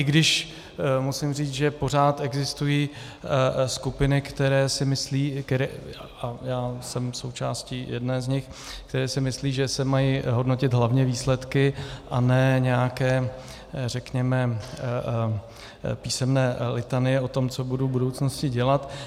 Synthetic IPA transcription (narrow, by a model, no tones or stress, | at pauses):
ʔɪɡdɪʃ | musɪmriːt͡sʒɛpo̞r̝aːt̪ɛɡzɪst̪ujiː | skupɪnɪkt̪ɛɾɛːsɪmɪsliːkɛɾɛ | ajaːsɛmso̞wt͡ʃaːsciːjɛ̰dnɛːzɲɪx | k̚t̪ɛɾɛːsɪmɪsliːʒɛsɛmajiːɦo̞dno̞cɪt̪ɦlavɲɛviːslɛt̪kɪʔanɛɲɛjakɛː | rɛkɲɛmɛ | piːsɛmnɛːlɪt̪anɪjɛʔo̞t̪o̞mt͡so̞budubudowt͡snoscɪɟɛlat̪